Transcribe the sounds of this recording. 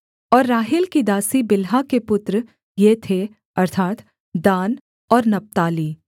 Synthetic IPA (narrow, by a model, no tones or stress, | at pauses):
ɔːɾːaːɦɪlkid̪aːsibɪlɦakepʊt̪ɾə | jet̪ʰe | ɐɾt̪ʰaːt̪ | d̪aːn | ɔːɾnɐp̚t̪aːliː